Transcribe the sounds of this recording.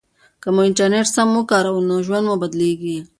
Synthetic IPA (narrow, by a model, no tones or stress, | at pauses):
kɐmoɪɳʈɐɾneʈsɐmːukaːɾaunːoʒwɐnd̪mãbɐd̪liːɡi